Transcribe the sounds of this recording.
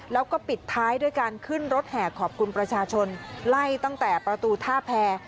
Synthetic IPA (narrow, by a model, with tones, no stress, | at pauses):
lɛː˦˥wkɔː˥˩pi˨˩t̪ʰːaː˦˥jduː˥˩əjkaː˧nkʰɯ˥˩nɾo˦˥t̪̚hɛː˨˩kʰɔː˨˩p̚kʰu˧npɾa˧t͡ɕʰaː˧t͡ɕʰo˧nla˥˩jt̪a˥˩ŋt̪ɛː˨˩pɾa˧t̪uː˧t̪ʰaː˥˩pʰɛː˧